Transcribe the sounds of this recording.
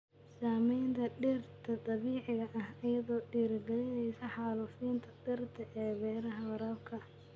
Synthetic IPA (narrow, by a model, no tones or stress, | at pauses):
saːmɛjnt̪ʰɐɖɪrt̪ʰɐt̪ʼɐβiːʕɪɣɐʔɐhɐjɐðɔːɖiːɾɡɐlɪnɛjsɐħɑːlufiːnt̪ʰɐd̪ɪrt̪ʰɐʔɛːβɛːɾɐɦɐwɐɾɐbkʰɐ